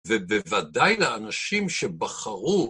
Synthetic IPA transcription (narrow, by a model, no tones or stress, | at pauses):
vebevad̪ajlaanaʃimʃebaχaʁu